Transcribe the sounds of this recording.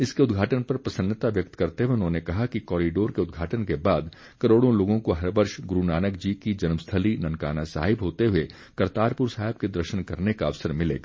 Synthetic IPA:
ɪskeʊd̪ɡʱaːʈənpɐɾpɐsə̃nd̪ət̪aʋjɐk̚t̪kɐɾt̪eɦeʊnɦõnekɐɦakikɔːɾiɖoːɾkeʊd̪ɡʱaːʈənkebaːd̪ | kɐɾoːɽõloːɡõkoɦɐɾbəɾʃɡɾunaːnək̚d͡ʒiːkid͡ʒɐnmst̪ʰəlinɐ̃nkaːnasa̰ːɦɪbɦoːt̪eɦʊe | kɐɾt̪aːɾpʊɾsaːɦɪb̚ked̪ɾɐɾʃənkɐɾnekaɐʋsəɾmɪlḛːɡaː

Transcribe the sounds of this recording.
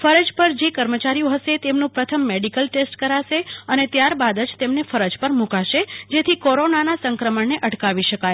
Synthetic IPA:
fəɾəd͡ʒpəɾd͡ʒekəɾmət͡ʃaɾijõɦəʃet̪emnũpɾət̪ʰəmːeɖikəlʈesʈkəɾaʃeənet̪jaɾbad̪əd͡ʒt̪emnefəɾəd͡ʒpəɾmũkaʃed͡ʒet̪ʰikɔɾonanasəŋkɾəməɳneʔəʈkaʋiʃəkaj

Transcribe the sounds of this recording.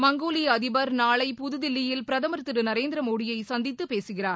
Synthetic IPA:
mɐŋɡoːliɐðɪbɐɾnaːɭɐɪpʊðɯðɪlːɪjɪlpɪɾɐðɐmɐɾt̪ːɪɾɯnɐɾeːnd̪ɪɾɐmoːɽɪjɐɪsɐnd̪ɪt̪ːɯpeːsɯɣɪraːɾ

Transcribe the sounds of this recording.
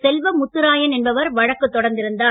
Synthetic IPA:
sɛlʋɐmʊt̪ːɯɾaːjɐnɛnbɐʋɐɾʋɐɻɐkːɯt̪ːɔɽɐɾnd̪ɪɾɯnd̪aː

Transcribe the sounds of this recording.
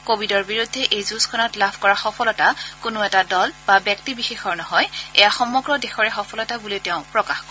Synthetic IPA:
kobʱidɔɹbiɹudʱːɛʔejzuskʰɔnɔtlabʱkɔɹaxɔpʰɔlɔtakʊnʊɛtadɔlbabjɛk̚tibixexɔɹnɔɦɔjɛjaxɔmːɔɡɹɔdexɔɹɛxɔpʰɔlɔtabuliteʊ̃pɹɔkaxkɔ

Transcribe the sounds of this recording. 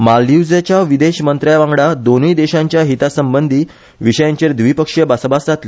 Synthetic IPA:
malud͡zat͡ɕjaʋid̪eɕmənt̪ɾajʋãŋɡɽad̪onuid̪eɕãɲt͡ɕjaɦit̪asəmbənd̪ʱiː | ʋiɕəjãɲt͡ɕeɾd̪ʋipəkʂjəbasəbasd͡zʱat̪li

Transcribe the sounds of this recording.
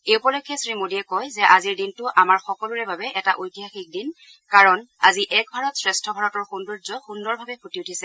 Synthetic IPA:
eupɔlojkʰːɛsɹimodiɛkɔjzɛʔaziɹdintʊʔamaɹxɔkɔluɹɛbabɛʔɛtaʔojtiɦaxik̚din | kaɹɔnaziʔɛk̚bʱaɹɔtsɹɛstʰɔbʱaɹɔtɔɹxunduzɔxundɔɹbʱabɛpʰotiutʰisɛ

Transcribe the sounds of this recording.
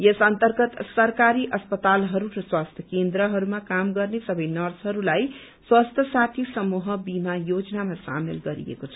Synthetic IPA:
jesʌnt̪ʌrɡʌt̪sʌɾkaɾiʔʌspʌt̪alɦʌɾuɾʌswast̪ʰjʌkend̪ɾʌɦʌɾumakamɡʌrnesʌbʌjnʌrsɦʌɾulaj | swast̪ʰjʌsat̪ʰisʌmuɦʌbimajod͡zʌnamasa̰melɡʌɾḭḛkot͡sʰʌ

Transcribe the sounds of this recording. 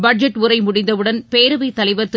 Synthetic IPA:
bɐɖ̚d͡ʒɐʈːʊɾɐɪmʊɽɪnd̪ɐʋɯɽɐnpeːɾɐʋɐɪt̪ːɐlɐɪʋɐɾt̪ɯ

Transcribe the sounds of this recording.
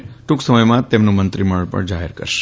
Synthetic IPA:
ʈuksəməjmãt̪emnũmənt̪ɾiməɭpə̰ɳd͡ʒaɦḛɾkə̰ɾʃe̥

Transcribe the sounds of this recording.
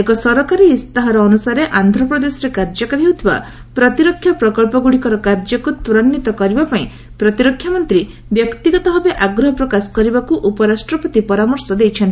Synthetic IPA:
ekɔsɔɾɔkaɾiːst̪aɦɔɾɔːnusaɾeʔand̪ʱɾɔpɾɔd̪esɔɾekaɾd͡ʒɔkaɾiɦut̪ʰiba̰ | pɾɔt̪iɾɔkʰjapɾɔkɔɭpɔɡuɽikɔɾɔkaɾd͡ʒɔkut̪uɾɔnːit̪ɔkɔɾibapaĩ | pɾɔt̪iɾɔkʰːjamɔnt̪ɾi | bjɔkt̪iɡɔt̪ɔɦɔbeʔaɡɾɔɦɔpɾɔkasɔ̥kɔɾibakuʔupɔɾasʈɾɔpɔt̪ipɔɾamɔɾsɔd̪ejt͡ʃʰɔnt̪i

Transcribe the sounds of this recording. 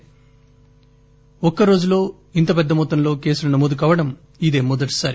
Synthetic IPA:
ɔkːɐɾo̞ːd͡ʒulo̞ː | int̪ɐpɛd̪ːɐmɔːt̪ɐnlo̞ːke̞ːsulɐnɐmoːd̪uk̬aːʋɐɽɐm | id̪e̞ːmɔd̪ɐʈi̥saːɾi

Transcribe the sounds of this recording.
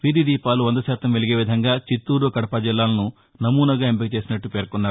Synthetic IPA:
ʋid̪id̪iːpaːluʋɐnd̪ɐsaːt̪ɐmʋeɭiɡe̞ːʋid̪ʱɐŋɡaːt͡ʃit̪ːuːɾukɐɽɐpaːd͡ʒilːaːlɐnu | nɐmuːnɐɡaːempiɡit͡ʃeːsinɐʈːupe̞ːɾkunːaːu

